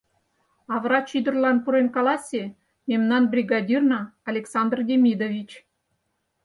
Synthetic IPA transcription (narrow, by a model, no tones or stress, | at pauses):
ɑvrɑt͡ɕid̪ə̆rlɑnpuɾenkɑlˠɑsʲe | mʲemnɑnbrʲiɡɑdʲirnɑːlʲeksɑnd̪rdʲemʲid̪ovʲit͡ɕ